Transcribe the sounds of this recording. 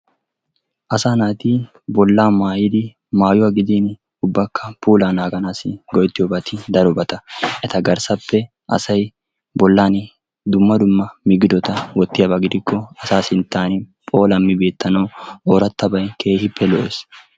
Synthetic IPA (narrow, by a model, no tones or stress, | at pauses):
ʔɐsaːnaːt̪i | bɔlːaːmaːjɪd̪ɪ | maːjʊwaːɡɪd̪iːn | ʊbːɐkːɐpuːlaːnaːɡɐnaːsɪɡɔjt̪ːɪjɔbɐt̪ɪd̪ɐɾɔbɐt̪ɐʔɛt̪ɐɡɐɾsɐpːɛ | ʔɐ̰sɐj | bɔlːaːn | d̪ʊmːɐd̪ʊmːɐmɪɡɪd̪ɔt̪ɐwɔt̪ːɪjabɐɡɪd̪ɪkːɔɐsaːsɪnt̪ːaːnɪpʼo̞ːlɐmːɪbe̞ːt̪ːɐnɐwoːɾɐt̪ːɐbɐjkʰe̞ːhɪpʰːɛlɔʔes